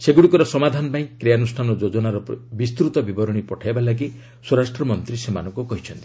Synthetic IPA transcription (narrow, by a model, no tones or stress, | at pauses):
seɡuɽikɔɾɔsɔmad̪ʱanɔpaĩkɾijanusʈʰanɔd͡ʒod͡ʒɔnaɾɔbist̪ɾut̪ɔbibɔɾɔɽ̃ipɔʈʰajbalaɡ̬i | swɔɾasʈɾɔmɔnt̪ɾisema̰nɔŋkukɔɦit͡ʃʰɔnt̪i̥